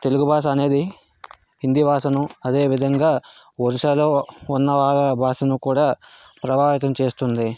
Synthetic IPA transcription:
t̪e̞luɡubʱaːʃ̬ɐɐne̞ːd̪i | hind̪ibʱaːsɐnuɐd̪e̞ːʋid̪ʱɐŋɡaː | oɾiʃaːloːunːɐʋaːɭɐbʱaːʂɐnukuːɽaː | pɾɐbaːʋit̪ɐmt͡ʃe̞ːst̪und̪i

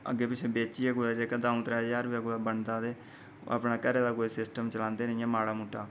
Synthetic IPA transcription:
ə̰ɡeːpɪt͡ʃʰeːbeːt͡ʃiːɛːkoːaːd͡ʒeːkəd̪aːʊ̃t̪ɾaːd͡ʒaːɾʋiakoaːbəɳd̪aːd̪eː | o̰a̰ːpnaːkəɾeːd̪aːkoːisɪsʈəmt͡ʃəlãːnd̪eːnəiãːmaːɽaːmuːʈːaː

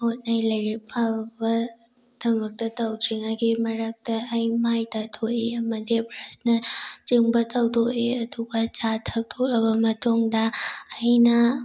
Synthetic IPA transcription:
ot̚nɐjlɐjɾik̚bʰabɐ | d̥ɐmɐk̚tɐtɐwtʰɾiŋaɡimɐɾak̚tɐːjmajtatʰoʔeɐmɐdibɾasnɐt͡ʃiŋbɐtʰɐwdoʔeɐduɡat͡ʃatʰɐk̚tʰokɐbɐmɐtʰoŋdɐːjnɐ

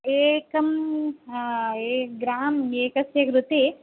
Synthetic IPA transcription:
eːkɐm | eːɡɾaːmeːkɐsjɐɡɾut̪i

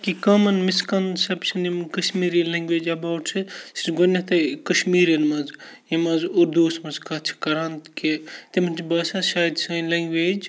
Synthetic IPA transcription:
kikɐmɐnmiskɐnsɐbt͡ʃʰɐnimɐnkɐʃmiːɾilɐ̃ŋɡʲʋeːd͡ʒɐbaːwʈsʰisi̥sɡonʲːɐt̪ɐkɐʃmiːɾjɐnmɐz | imɐzoɾd̪oːsmɐzkɐt͡ʃʰi̥kɐɾaːnt̪ket̪imɐnt͡ʃʰibɐːsaʃaːjd̪sɐːjlɐŋɡʋeːd͡ʒ

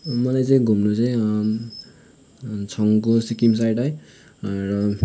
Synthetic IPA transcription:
mʌlajt͡sʌĩɡʱumnot͡saj̃ | t͡sʰʌŋkosikims̬ajʈɦʌj | rʌ

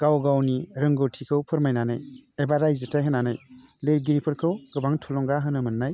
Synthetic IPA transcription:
ɡ̥awɡawniɾɯŋɡɯtʰikʰɯwpʰɯɾmajnana̰jebaɾajzɯtʰajɦɯnːanaj | leɾɡiɾipʰɯɾkʰɯwɡɯbaŋtʰulɔŋɡaɦɯnɯmɯnːaj

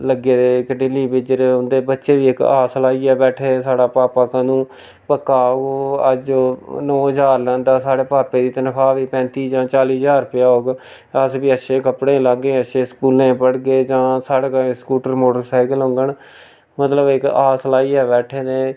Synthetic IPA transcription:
ləɡeːd̪eːɪkɖɪliːbɪd͡ʒəɾeːɦʊ̃ːnd̪eːbətːʃeːʋiːɪkaːsəlaːiːɛːbɛːʈʰeːsaːɽaːpaːpaːkãːnũː | pəkːaːoɡə̰d͡ʒonɔ̃ːəd͡ʒaːɾlɛ̃ːnd̪aːsaːɽeːpaːpeːd̪iːt̪ənkʰaːʋiːpɛ̃ːnt̪iːd͡ʒãːt͡ʃaːliːd͡ʒaːɾpɪjaːoːɡ | əsbiːəʃeːkəpɽẽːlaːɡẽːəʃeːskuːlẽːpəɽɡeːd͡ʒãːsaːɽːkːskuːʈəɾmoːʈəɾsaːɪkəlɦõŋɡəɳ | mət̪ləbɪkaːslaːiːɛːbɛːʈʰeːneː

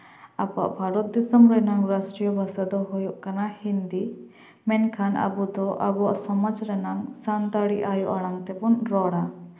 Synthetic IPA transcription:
aba̰ʔbʱaɾɔt̪̚d̪isəmɾɛnaŋɾasʈɾijɔbʱasad̪ɔɦujɔʔkanahind̪i | mɛnkʰanʔa̰bud̪ɔʔabua̰ʔsɔmad͡ʒɾɛnaŋsand̪aɽiʔajuʔaɽ̃aŋt̪ɛbunɾɔɽa

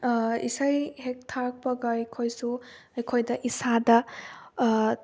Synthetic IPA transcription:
ḭsajhek̚tʰak̚pʌɡajkʰojsuajkʰojdɐʔisada

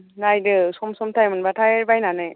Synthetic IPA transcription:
najdɯsomsomt̪ʰajmɯnbatʰajbajnanaj

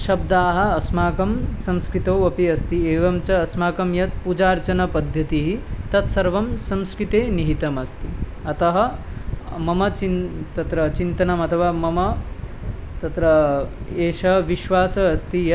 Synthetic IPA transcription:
ʃɐb̚d̪aːɦɐ̆ɐsmaːkɐmsɐmskɾit̪oːɐpiɐst̪ieːʋɐmt͡ʃɐːsmaːkɐmjɐt̪̚pud͡ʒaːɾt͡ʃɐnɐpɐd̪ʱjɐt̪iɦit̪ɐt̪sɐɾʋɐmsɐmskɾit̪eːniɦit̪ɐmɐst̪iɐt̪ɐɦɐ̆ | mɐmɐt͡ʃint̪ɐt̪ɾɐt͡ʃint̪ɐnɐmɐt̪ʰɐʋaːmɐmɐ | t̪ɐt̪ɾɐeːʃɐʋiʃʋaːsɐːst̪ijɐ

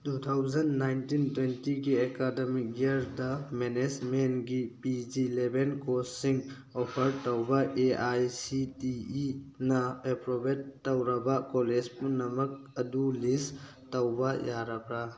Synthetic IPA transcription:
tut̪ʰawd͡ʒɐnːajntintwentiɡiekademik̚iɐɾdɐmenesmenɡipid͡ʒilebʱenkosːiŋ | opʰɐɾtɐwbɐʔeajsitiinɐepɾobettːɐwɾɐbakoled͡ʒpunɐmɐk̚ɐdulis | tɐwbɐjaɾakɾa

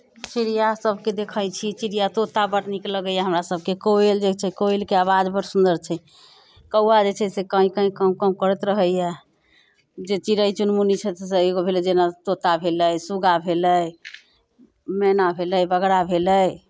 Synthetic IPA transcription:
t͡ʃiɾijasəbʱked̪ekʰəjt͡ʃʰit͡ʃiɾijat̪ot̪abəʈnikləɡəjaɦəmɾasəb̚ʱkekoeld͡ʒet͡ʃʰɛkoelkeaβad͡ʒbəɾsund̪əɾt͡ʃʰɛ | kəuad͡ʒet͡ʃʰɛsekə̃ĩkə̃ĩkəmkəmkəɾət̪ɾəɦəjɛ | d͡ʒet͡ʃiɾəjt͡ʃunmunit͡ʃʰɛt̪seeɡobʱelɛd͡ʒenat̪ot̪abʱeləjsuɡabʱeləj | menabʱeləjbəɡɽabʱeləj

